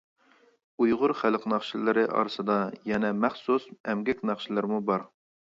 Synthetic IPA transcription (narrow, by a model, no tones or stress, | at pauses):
ujʁʊɾχælˠqnɑχʃilɪɾɪʔɑ̰ɾsɨd̪ɑjɛnɛmæχsusɛmɡʲɛkʲnɑχʃilˠɪɾmubɑɾ